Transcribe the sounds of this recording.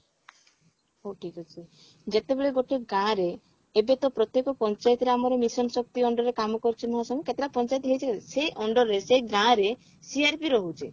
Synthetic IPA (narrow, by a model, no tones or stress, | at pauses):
ɦoʈʰikɔt͡ʃʰi | d͡ʒet̪ebeɭeɡoʈʰeɡãɾeː | bet̪ɔpɾɔt̪jekɔpɔnt͡ʃajt̪ɾeamɔɾɔmisɔmsɔk̚t̪iɔɳɖɔɾekamɔkɔɾt͡ʃʰimɔɦasɔŋɡɔket̪ɾapɔnt͡ʃajt̪ɦejt͡ʃʰiseʔɔɳɖɔɾːeseɡãɾe | siaɾpiɾɔɦut͡ʃʰi